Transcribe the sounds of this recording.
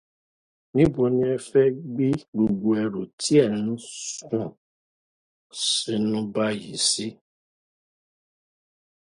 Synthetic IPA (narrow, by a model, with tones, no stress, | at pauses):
nĩ˦bo˨nĩ˦ɛ˨fɛ˦ɡ͡bi˦ɡ͡bu˨ɡ͡bu˨ɛ˨ɾu˨ti˦ɛ˦˨ñ̩˦sũ˦˨ | si˨˦nũ˦ba˦jḭ˨si˦